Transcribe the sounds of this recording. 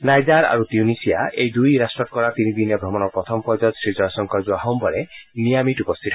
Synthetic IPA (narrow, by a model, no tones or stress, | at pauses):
najd͡ʒaɾa̰ɾut̪junisijaʔejd̪ujɾasʈɔkɔɾat̪inid̪injɔbʱɾɔmɔnɔpɾɔt̪ʰɔmɔpɔd͡ʒɔt̪sɾid͡ʒɔjɔsɔŋkɔd͡ʒuaɦɔwmbɔɾenijamiʈupɔst̪ʰiʈʰɔ